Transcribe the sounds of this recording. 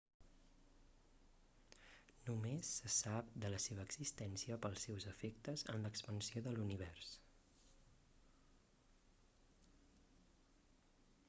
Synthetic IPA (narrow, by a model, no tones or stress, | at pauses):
numesːəsap̚d̪ələseβ̞əːɡz̥ist̪ɛnsiəpəlˠsːɛwzəfek̚t̪əzə̰nləkspənsioðəluniβ̞ɛrs